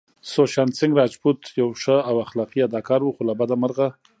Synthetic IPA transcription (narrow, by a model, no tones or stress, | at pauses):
soʃansɪŋɡɾɑd͡ʒbut̪jawʂəawaxlɑqiad̪ɑkɑɾwuxolabad̪amaɾɣa